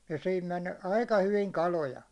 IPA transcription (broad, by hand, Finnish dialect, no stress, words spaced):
jɑ sihim men ɑikɑ hyʋiŋ kɑlojɑ